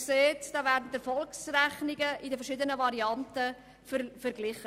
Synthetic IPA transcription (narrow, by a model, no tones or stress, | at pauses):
kseːtd̥ɑːvæːɾdn̩tɛɾfɔlksræχnɪɡəʔɪdəfɛʃɪdənəvɑɾiɑntə | fəfəɾɡlɪχə